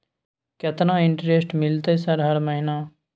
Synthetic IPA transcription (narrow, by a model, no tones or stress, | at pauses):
kɐt̪nãːɪɳʈɾesʈmɪlt̪esɐɾɦɐɾməɦɪnaː